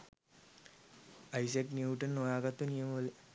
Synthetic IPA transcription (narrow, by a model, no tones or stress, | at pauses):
ɐjseknjuːʈɐnnoːjaːɡɐt̪ːɐnijɐmɐʋɐle